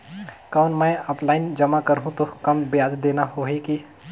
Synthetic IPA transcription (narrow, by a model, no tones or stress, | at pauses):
kaʊnmə̃jɔːplaːɪnd͡ʒəmakəɾɦũt̪okɐmbɪjaːzd̪eːnaɦoːɦiki